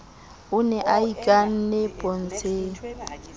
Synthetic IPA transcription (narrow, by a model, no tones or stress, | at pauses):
ʊnɛʔaikʼan̩nɛpʼon̩t͡sʼeːŋ̩